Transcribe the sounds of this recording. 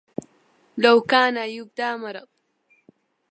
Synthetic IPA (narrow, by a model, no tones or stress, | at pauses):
lawkaːnajʊb̚d̪aːmaɾɑt̚